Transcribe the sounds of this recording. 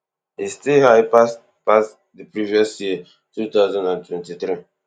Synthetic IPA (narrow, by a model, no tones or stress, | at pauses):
histehaɪpas | pas | dipɹiviɔsjiə | tut̪aʊzãndãntʰwɛ̃ntitɾi